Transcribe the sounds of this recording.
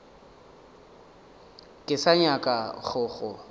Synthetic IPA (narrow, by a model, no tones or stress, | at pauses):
kʼɪsaɲakʼaχʊːχʊ